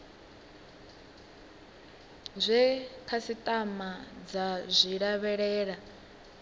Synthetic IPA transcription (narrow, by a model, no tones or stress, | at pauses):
zʷɛkʰasitʼamad͡zazʷiɺaβɛɺɛːɺa